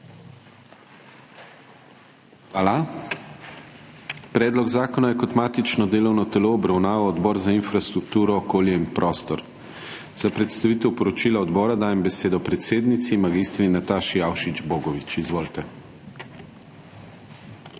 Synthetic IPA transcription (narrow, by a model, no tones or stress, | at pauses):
xʋaːla | pɾɛːd̪lɔɡzaːkɔnajɛkɔt̪maːt̪it͡ʃnɔd̪eːlɔwnɔt̪ɛloːbɾawnaːʋawɔd̪bɔːɾzainfɾast̪ɾukt̪uːɾɔːkoːljɛinpɾʔɔːst̪ɔɾ | z̥apɾɛt̪st̪aʋit̪ɛwpɔɾɔt͡ʃiːlaɔd̪bɔːɾad̪aːjɛmbɛseːd̪ɔpɾɛt̪seːd̪nit̪simaɡist̪ɾinat̪aːʃijawʃid͡ʒboːɡɔʋit͡ʃizʋoːlt̪ɛ